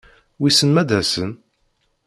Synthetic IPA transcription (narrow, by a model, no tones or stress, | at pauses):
wisənmæd̪æsən